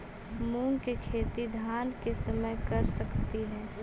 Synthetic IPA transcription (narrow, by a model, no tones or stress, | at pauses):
muːnkekʰeːt̪id̪ʱaːnkesəməjkəɾsəkt̪iɦɛ̃ː